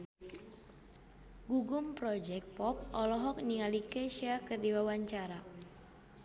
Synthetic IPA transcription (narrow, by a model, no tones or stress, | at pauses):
ɡuɡʊmpɾɔd͡ʒɛk̪̚pɔp̚ʔɔlɔɦɔk̚niŋalikɛʃiakɨrdiwawaɲt͡ʃaɾa